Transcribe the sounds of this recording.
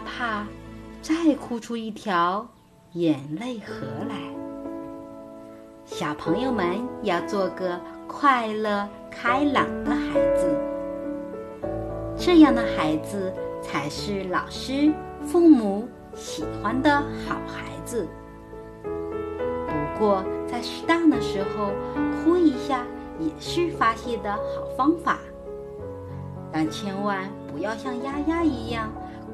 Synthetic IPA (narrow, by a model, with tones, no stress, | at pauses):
pʰa˥˩t͡sa˥˩ɪkʰu˥˧ʈ͡ʂʰu˥i˥˩t̪ʰjɑ˧˥ʊ | jɛ˨˩nle˥˩ɪxɤ˧˥la˧˥ɪ | ɕjɑ˨˩ʊpʰɤ˧˥ŋjo˥˧ʊmə˧˨njɑ˥˧ʊt͡swɔ˥˩ɡə˩kʰwa˥˧ɪlə˥˩ | kʰa˥ɪlɑ˨˩ŋd̪ə˦xa˧˥ɪd͡zɹ̩˧ | ʈ͡ʂɤ˥˧jɑ˥˩ŋd̪ə˩xa˧˥ɪd͡zɹ̩˧t͡sʰa˧˥ɪʂɻ̩˥˩lɑ˨˩ʊʂɻ̩˥fu˥˩mu˧˥ | ɕi˨˩xwa˥nd̪ə˨xɑ˨˩ʊxa˧˥ɪd͡zɹ̩˧ | pu˧˥kwɔ˥˧t͡sa˥˧ɪʂ̩˧˥t̪ɑ˥˩ŋd̪ə˩ʂɻ̩˧˥xo˧ʊkʰu˥i˧˥ɕja˥˩ | jɛ˨˩ʂɻ̩˥˩fa˥ɕjɛ˥˩d̪ə˩xɑ˨˩ʊfɑ˥ŋfa˨˩˦ | t̪a˥˩t͡ɕʰjɛ˥nwa˥˧˩npu˧˥jɑ˥˧ʊɕjɑ˥˩ŋja˥ja˥i˧˥jɑ˥˩ŋ